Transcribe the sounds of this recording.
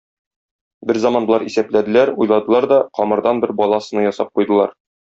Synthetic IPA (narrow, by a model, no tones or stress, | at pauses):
bɘɾzɑmɑnbŏlˠɑɾisæplæd̪ɘ̆læɾujlˠɑd̪ɤ̆lˠɑɾd̪ɒqɒmɤ̆ɾd̪ɑnbɘɾbɒlˠɑsɤ̆nɤjɒsɑp̚qujd̪ɤ̆lˠɑ̰ɾ